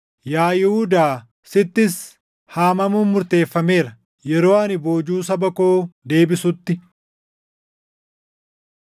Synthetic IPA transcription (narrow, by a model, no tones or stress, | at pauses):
jaːjɪhud̪aː | sɪt̪ːɪs | haːmɐmuːmːʊɾt̪e̞ːfːɐme̞ːɾɐ | jɛɾo̞ːɐnɪbo̞ːd͡ʒuːs̬ɐbɐko̞ːd̪e̞ːbɪsʊt̪ːɪ